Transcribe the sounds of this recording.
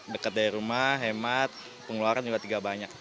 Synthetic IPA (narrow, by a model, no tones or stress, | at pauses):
dəkat̪̚daɾiɾumaɦemat̪̚ | pəŋluaɾand͡ʒuɡat̪iɡabaɲak̚